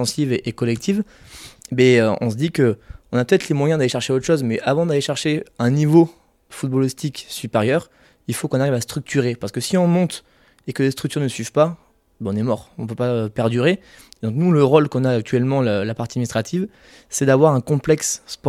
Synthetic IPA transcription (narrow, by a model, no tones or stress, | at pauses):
ɑ̃siveʔekɔlɛk̚t̪ʰiv | bɛøɔ̃səd̪ikəɔ̃napøt̪ɛt̪χlemwajɛ̃d̪aleʃɛʁʃeot̪χəʃozmɛʔavɑ̃d̪aleʃɛʁʃeɛ̃nivo | fut̪̚bɔlist̪iksypeʁjœʁ | ilfokɔ̃naʁivast̪χyk̚t̪ʰyʁepaʁsə̥kəsiɔ̃mɔ̃t̪ | ekəlest̪χyk̚t̪yʁnəsɥivpa | bɔ̃nɛmɔʁɔ̃pøpaøpɛʁd̪yʁe | d̪ɔ̃knuləʁolkɔ̃naːk̚t̪ɥɛlmɑ̃ləlapaʁt̪ad̪minist̪χat̪ʰiv | sɛd̪avwaʁɛ̃kɔ̃plɛksːpɔ